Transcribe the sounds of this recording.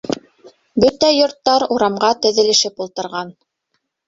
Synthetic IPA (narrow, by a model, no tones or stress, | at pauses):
bɵt̪æjŏɾt̪ːɑɾuɾɑmʁɑt̪ɵ̆ðɘ̆lɘ̆ʃɘpulˠt̪ɤ̆ɾʁɑn